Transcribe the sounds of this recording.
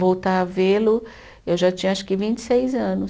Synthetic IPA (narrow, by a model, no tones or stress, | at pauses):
vowt̪aavelʊ | ewʒat͡ʃĩɲɐaʃkɪvĩnt͡ʃɪ̥sejzɐ̃nʊs